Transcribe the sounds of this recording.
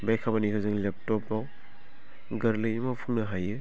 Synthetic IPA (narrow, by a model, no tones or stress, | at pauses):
bajkʰabanikʰɯzɯŋlep̚tɔpːaw | ɡɐɾlɯjmapʰuŋnaɦajɯ